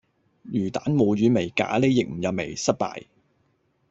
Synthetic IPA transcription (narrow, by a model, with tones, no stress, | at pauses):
jyː˨˩t̪aː˨˥nmo˨wɥyː˨˧me˨˩jka̰ː˨˥le˨˧jɪ˨k̚m̩˨˩jɐ˨wme˨˩jsɐ˥t̚pa̰ː˨j